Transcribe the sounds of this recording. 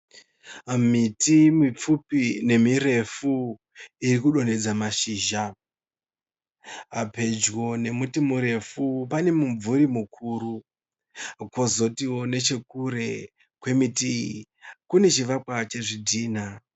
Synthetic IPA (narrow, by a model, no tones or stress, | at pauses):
mitimip͡fupine̞miɾe̞fu | irikuɗo̞ne̞d͡zamaʃiːʒa | ɦape̞d͡ʒwo̞ne̞mutimuɾe̞fupane̞muɱvuɾimukʰuːɾu | kwozo̞tiwo̞ne̞t͡ʃe̞kuɾe̞ | kwe̞miti | kune̞t͡ʃiʋakwat͡ʃe̞ʐidʱiːna